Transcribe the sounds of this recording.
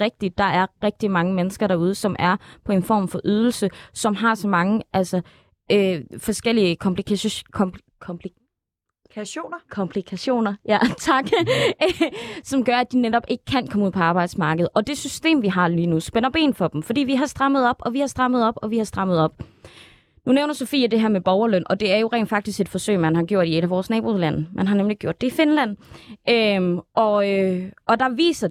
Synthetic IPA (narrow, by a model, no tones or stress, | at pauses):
ʁɛɡ̥̚d̥id̥ːɑ̈ʔæɐʁɛɡ̥̚d̥imɑ̈ŋəmenəsɡ̥ɐɾ̥ɑ̈uːð̞ˠəsɒ̽mʔæɐpʰɒ̽e̝nfɒ̰ːmfɒ̽ʔyð̞ˠl̩səsɒ̽mɦɑ̈sɒ̽mɑ̈ŋəʔælsɒ | øfɒ̽sɡ̥el̰iəkʰɒ̽mpi | kʰ | oːkʰɒ̽mpʰlikʰæɕo̝̰ːnɐjæt͡sʰɑ̈ɡ̥ | sɒ̽mɡ̥ɶɐæd̥ined̥ɒ̽b̥e̝ɡ̥əkʰænkʰɒ̽məuð̰ˠpʰɒ̽ɑ̈ːb̥ɑ̈ɪd̥smɑ̈ːɡ̥əð̞̩ˠɒ̽d̥e̝sysd̥e̝̰ːmʋiɦɑ̈liːnusb̥enɐb̥e̝̰ːnfɒ̽d̥m̩fɒ̽d̥ḭːʋiɦɑ̈sd̥ʁɑ̈məð̞̩ˠɒ̽b̥ɒ̽ʋihɑ̈sd̥ʁɑ̈məð̞̩ˠɒ̽b̥ɒ̽ʋihɑ̈sd̥ʁɑ̈m̰əð̞̩ˠɒ̽b̥ | nuneʊnɐso̝fḭːəd̥e̝ɦæɐ̰meb̥ɒʊɐløn̰ʔɒ̽d̥e̝æɐjo̝ʁɛ̰ːnd̥fɑ̈ɡ̥̚d̥isɡ̥e̝d̥fɒ̽sø̰ɪ̰mænɦɑ̈ɡ̥jo̝ɐ̰d̥ie̝ɾ̥æʋɒːsnɛːb̥olæn̰mʔænɦɑ̈nemliɡ̥jo̝̰d̥e̝ife̝nlæn̰ʔøʔɒ̽øʔɒ̽d̥ɑ̈ʋḭːsɐ